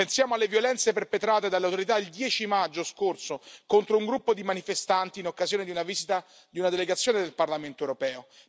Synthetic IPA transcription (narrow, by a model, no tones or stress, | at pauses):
pensjaːmoalːevjolɛnt̪seperpet̪ɾaːt̪ed̪alːeawt̪oɾit̪̬aild̪jɛːt͡ʃimad͡ʒːoskorsokont̪ɾouŋɡɾupːod̪imanifest̪ant̪iːnokːazjoːned̪iunavizit̪a | d̪iunad̪eleɡat̪sːjoːned̪elparlament̪oewɾopɛːo